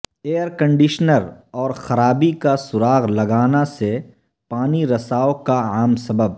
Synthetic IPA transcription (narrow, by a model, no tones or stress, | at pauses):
eːəɾkɐ̃ɳɖiʃnəɾɔːɾxɐɾaːbikasʊɾaːɣlɐɡaːnase | paːniɾɐsaːokaaːmsɐbəb̚